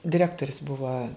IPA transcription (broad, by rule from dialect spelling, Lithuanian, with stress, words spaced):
dʲɪˈrʲæːktoːrʲʊs ˈbʊʋɐ